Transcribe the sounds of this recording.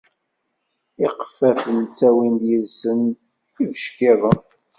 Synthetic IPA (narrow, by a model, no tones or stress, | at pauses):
ɪqə̥fːæfənt͡sːæwind̪jəlsən | ivəʃkɪðˤəm